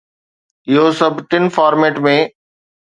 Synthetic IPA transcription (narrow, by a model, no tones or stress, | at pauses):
ɪɦosɐbʱʈɪnfaːɾmeːʈmẽː